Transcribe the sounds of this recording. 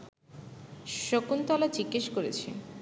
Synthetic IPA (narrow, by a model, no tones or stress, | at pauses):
ʃokunt̪ɔlat͡ɕikːeʃkoɾet͡ɕʰḭ